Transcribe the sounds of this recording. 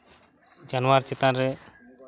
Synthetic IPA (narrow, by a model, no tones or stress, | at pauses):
d͡ʒanwaɾt͡ʃɛt̪anɾɛ